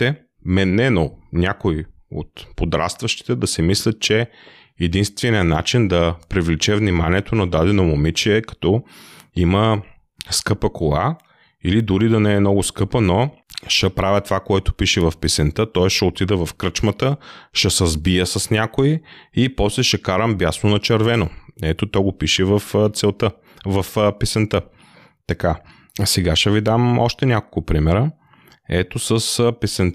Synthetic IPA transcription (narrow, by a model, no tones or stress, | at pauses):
t̪ɛ | mɛnːɛnonʲakoi | o̰t̪pod̪ɾa̰st̪vɐʃt̪i̥t̪ɛd̪ɐsɛmislʲɐt̪̚t͡ʃɛ | ɛd̪inst̪vɛnijənat͡ʃind̪ɐpɾivlit͡ʃɛvnimaniɛt̪onɐd̪ad̪ɛnomomit͡ʃiɛkɐ̥t̪ɔimə | skɤpəkolˠa | ilid̪ʊɾid̪ɐnɛːmnɔɡʊskɤpəno | ʃɛpɾavʲət̪vakoɛt̪ʊ̥piʃɛvɐfpisɛnt̪ət̪ɔɛsʃɛot̪id̪ɛvɐfkɾət͡ʃmɐt̪əʃɛsɐzbijəsɐsnʲakoiipɔslɛʃɛkaɾəmbjasnonɐt͡ʃɛɾvɛnoɛt̪ot̪ɔɡopiʃɛvɐft̪sɛlˠt̪ə | vɐfpɛsɛnt̪ə | t̪ɐka | sɛɡaʃɛvid̪amɔ̰ʃt̪ɛnʲakolˠkʊpɾimɛɾə | ɛt̪osəspɛsɛnt̪